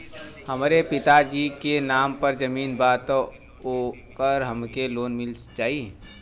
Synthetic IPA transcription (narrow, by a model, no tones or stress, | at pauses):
hɐmːɾepɪt̪ad͡ʒiːkenaːmpɐɾd͡ʒɐmiːnbaːt̪ | okəɾɦɐmkeloːnmɪlt͡ʃaːɦiẽ